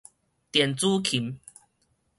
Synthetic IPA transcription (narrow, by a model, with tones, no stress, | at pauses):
t̪jɛ˨˩nt͡su˦kʰi˨˦m